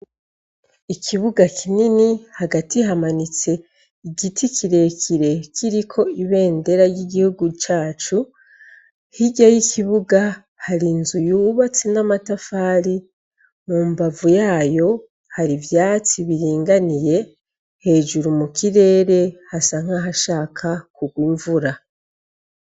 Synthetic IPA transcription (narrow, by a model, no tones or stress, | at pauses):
ikʰiβuɡakʰininihaɡatihamanit͡se̞ | iɡitʰikʰiɾe̞kʰiɾe̞kʰiɾikʰo̞iβe̞ːnde̞ɾaɾjiɡihuɡut͡ʃaːt͡ʃu | hiɟajikʰiβuɡa | haɾinzujuːβat͡sinamatafaːɾi | mumbavujaːjo̞ | haɾivjaːt͡siβiɾiːŋɡanije̞ | he̞ːʒuɾumukiɾe̞ːɾe̞hasaŋ̥haɦaʃaːkʰakuɡwiːɱvuɾa